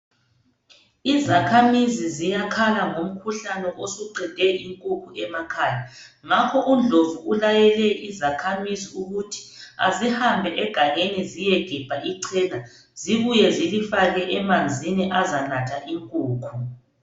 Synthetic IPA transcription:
izakʰamizizijakʰalaŋom̩kʰuɬanɛʔosuǀɛndʱɛiŋkʼukʰuʔɛmakʰaːja | ŋakʰɔʔund͡ɮʱovuulajɛlɛʔizakʰamiziuɣutʰi̥a̰zihambʱɛʔɛɡ̥ʱaŋenizijɛɡ̥ʱɛb̥ʱaʔiǀʰɛla | ziβujɛzilifaɣɛʔɛmand͡zʱiniʔazanatʰaʔiŋkʼuːkʰu

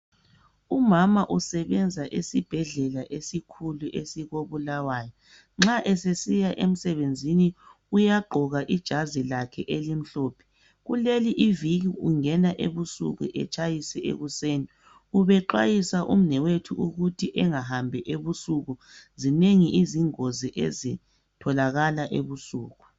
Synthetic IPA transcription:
umamaʔusɛβɛnd͡zʱaʔesib̥ʱɛɮɛlaʔesikʰuluʔesiɣoβulawaːjɔ | ŋ͡ǁaʔɛsesijaʔem̩sɛβend͡zʱini | ujaɡ͡ǃʱɔɣaʔid̥ʒ̥ʱazilakʰɛʔelim̩ɬoːpʰɛ̥ | ɣuleliʔiviɣiuŋɛnaʔeβusṵɣṵʔɛt͡ʃʼajisɛḛɣuseːni | uβɛǃwajisaʔṵm̩nɛwetʰuuɣutʰiʔɛŋaɦambʱɛʔeβusuɣuzineŋiʔiziŋoziʔḛzi | tʰɔlaɣalaʔḛβusuːɣu

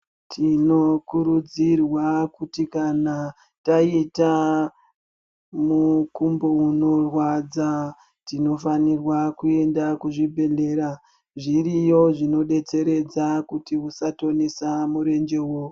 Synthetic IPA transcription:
tʰino̞kuɾud͡zirwakutikana | taita | mukumbo̞uno̞rwad͡za | tino̞fanirwakue̞ndakuʐibʱe̞ɮe̞ːɾa | ʐirijo̞ʐino̞ɗe̞t͡se̞ɾe̞d͡zakutiusato̞nisamuɾe̞nd͡ʒe̞wo

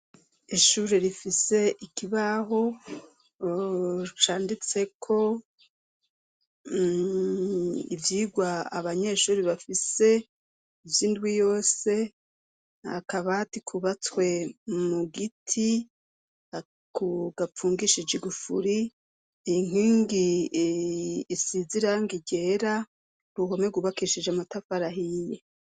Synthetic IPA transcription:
iʃuːɾeɾifise̞ʔikiβaɦo̞ | ut͡ʃaːndit͡se̞kʰo̞ | ḭvjiːɡwaaβaɲe̞ʃuːɾiβafise̞ | ivjiːndɡwijo̞ːse̞ | ha̰kaβatikʰuβat͡swe̞muɡitʰi | a | kuɡap͡fuːŋɡiʃid͡ʒiɡufṵɾi | iŋ̥iːŋɡi | siziɾaŋɡiɟe̞ːɾa | ɾuɦomeɡuβakiʃid͡ʒamatafaɾaɦije

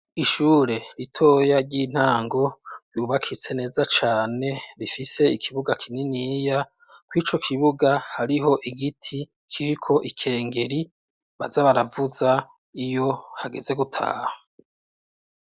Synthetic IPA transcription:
iʃuːɾe̞ɾitʰo̞ːjaɾɟiːn̥haːŋɡo̞ɾjuːβakʰit͡se̞ne̞ːzat͡ʃaːne̞βifise̞ikʰiβuɡakʰininiːja | kwiːt͡ʃo̞kʰiβuɡahaɾiɦo̞ʔiɡitʰi | kʰiɾikʰo̞ʔikʰe̞ːŋɡe̞ɾi | βazaβaɾavuza | ijo̞haɡe̞ze̞ɡutʰa̰ːha

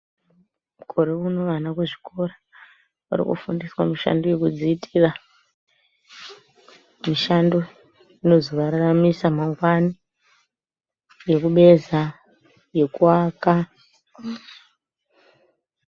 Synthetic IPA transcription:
mukʰo̞ɾe̞unoʋanakweʐiko̞ɾa | ʋa̰ɾḭkṵfundiswamiʃa̰ndoje̞kud͡ziːtʰira | miʃando̞ | ino̞zoʋaɾaramisamaŋɡwani | je̞kuɓe̞za | je̞kuaka

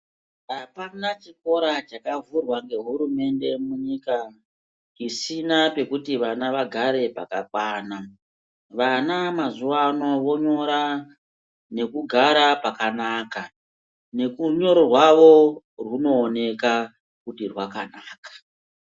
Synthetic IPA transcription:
apanat͡ʃik̚o̞ɾat͡ʃakavurwaŋɡe̞ɦuɾume̞nde̞muɲika | isinape̞kutiʋanaʋaɡʱaɾe̞pa̰ka̰kwaːna | ʋanamazuʋano̞ʋo̞ɲo̞ɾa | ne̞kuɡʱaɾapakanaːka | ne̞kuɲo̞ɾorwaʋo̞ | rwuno̞ːne̞ka | kutirwakanaːkḁ

